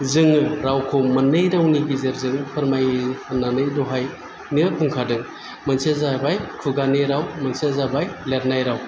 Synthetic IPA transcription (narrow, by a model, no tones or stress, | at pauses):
zɯŋɯɾawkʰomɐnɯjɾawniɡizɯɾzɯŋpʰɯɾmajananɯjduɦaj | niɯkʰuŋkʰadɯ | mɐnsezabajkʰuɡaneɾawmɐnsezabajleɾnajɾaw